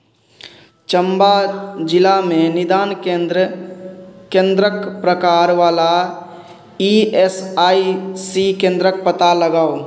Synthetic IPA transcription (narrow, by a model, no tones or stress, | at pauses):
t͡ʃəmbad͡ʒɪlamẽnɪd̪aːnɾ | kẽːnd̪ɾəkpɾəkaːɾʋaːla | iesaːisikẽːnd̪ɾək̚pət̪aləɡaːo